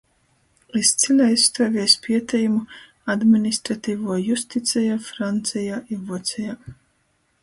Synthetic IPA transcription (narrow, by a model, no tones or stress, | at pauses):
ist̪sʲilʲajst̪uːvʲiɛspʰʲiɛt̪ʲɛjumu | ad̪minist̪ɾat̪iːvuɔjust̪it̪sʲɛjaːfɾant̪sijaːʔivuɔt̪sʲɛjaː